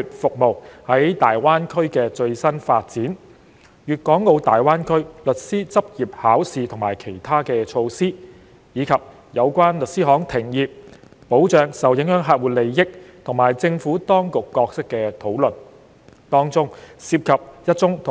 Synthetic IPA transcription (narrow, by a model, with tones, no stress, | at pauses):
y˨t̚fʊ˨k̚mo˨whɐ˨˥jt̪aː˨jwaː˥nkʰɵ˥ɥkɛː˧t͡ʃɵ˧ɥsɐ˥nfaː˧t̚t͡siː˨˥n | jyː˨˩t̚kɔː˨˥ŋːo˧wt̪aː˨jwaː˥nkʰɵ˥ɥlɵ˨t̚siː˥t͡sɐ˥p̚jiː˨p̚haː˨˥wsiː˨t̪ʰʊ˨˩ŋmaː˨˩jkʰe˨˩jt̪ʰaː˥kɛː˧t͡ʃʰo˧wsiː˥ | jiː˨˧kʰɐ˨p̚ | jɐ˨˧wkʷwaː˥nlɵ˨t̚siː˥ɦɔː˨˥ŋt̪ʰɪ˨˩ŋjiː˨p̚ | po˨˥wt͡ʃœː˨˧ŋsɐ˨wjɪ˨˥ŋhœː˨˥ŋɦaː˧t̚wuː˨˩le˨˩jjɪ˥k̚t̪ʰʊ˨˩ŋmaː˨˩jt͡sɪ˧ŋfuː˨˥t̪ɔː˥ŋkʊ˨kːɔː˧k̚sɪ˥kːɛː˧t̪ʰo˨˥wlɵ˨˩n | t̪ɔː˥ŋt͡sʊ˥ŋsiː˧p̚kʰɐ˨p̚jɐ˥t̚t͡sʊ˥ŋt̪ʰ